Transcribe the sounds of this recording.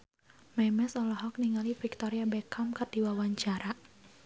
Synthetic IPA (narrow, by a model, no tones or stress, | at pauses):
mɛmɛsɔlɔɦɔk̚niŋalifik̚t̪ɔɾiabɛkʰamkərd̥iwawaɲt͡ʃaɾa